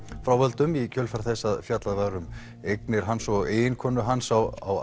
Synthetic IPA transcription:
fɾawvœlt̪ʏmicʰœːlfaɾ̥θɛsːaðfjat̪laðvaɣɾʏm | ejknɪɾ̥ɦansɔɣeːjɪnkʰɔːnʏɦansawa̰w

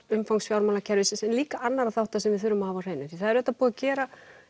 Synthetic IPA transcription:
ʏmfawŋksfjawɾmawlacʰɛɾvɪsɪsɛnliːkaʔanːaɾaðθawht̪asɛmvɪðθʏɾːʏmahavawreːjnʏθiθaðɛɾɛt̪ːapuːɣðacɛːɾa

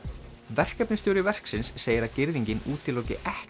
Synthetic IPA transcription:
vɛr̥kɛpnɪst̪ɔwɾɪvɛr̥ksɪnsːeːjɪɾacɪɾðiɲcɪnuːt̪ɪloːwcɪʔɛh

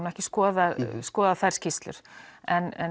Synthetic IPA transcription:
nɛhcɪskɔːðaðskɔːðaðθajɾ̥scʰist̪lʏ̰ɾ̥ɛnɛ

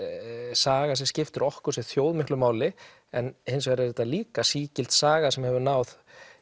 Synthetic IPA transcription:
saːɣasɛmscɪft̪ʏɾɔhkʏɾ̥sɛθjowðmɪhklʏmaːwlɪ | ɛnhɪnsvɛɾɪθɛt̪ːaliːkasiːcɪl̥t̪saːɣasɛmhɛvʏɾnaːwð

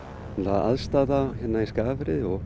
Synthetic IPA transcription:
laːða̰ðst̪aːðaçɛt̪nːaiskaːvɾɪðɔɣ

